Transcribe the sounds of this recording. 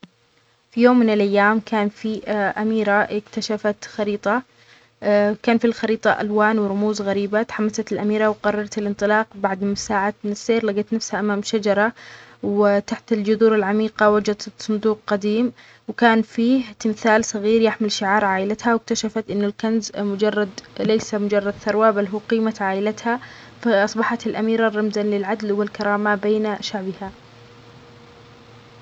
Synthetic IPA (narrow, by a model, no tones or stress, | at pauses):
fijoːmːɪnɪlʔajːaːmkʰaːnfiʔamiːɾaʔɪkt̪aʃafat̪xɑɾiːt̪ˤɑ | kaːnfilxɑɾiːt̪ˤɑʔa̰lwaːnwɪɾˤʊmuːzɣaɾiːbat̪ħamːasat̪ɪlʔamiːɾɑwqɑrˤːɑɾˤɑt̪ɪlʔɪnt̪ˤɨlɑːqbaʕd̪ɪsaːʕat̪nɪsːeːɾlaɡat̪nafshaʔamaːmʃad͡ʒɑɾˤɑwɪt̪aħt̪ɪld͡ʒʊðuːɾɪlʕamiːqɑwad͡ʒad̪sˤʊnd̪uːq̚qad̪iːm | wɪkaːnfiːht̪ɪmθaːlsˤɑɣiːɾjaħmɪlʃɪʕɑːɾˤʕaːʔɪlat̪hawɪk̚t̪aʃafat̪ʔɪnːʊlkanzmʊd͡ʒɑrˤːɑd̪lejsamʊd͡ʒɑrˤːɑd̪θɑɾˤwabalɦuːqiːmat̪ʕaːʔɪlat̪ha | faʔɑsˤbɑħat̪ɪlʔamiːɾarˤːɑmzanlɪlʕad̪lwɪlkɑɾˤɑːmabeːnʃaʕbɪha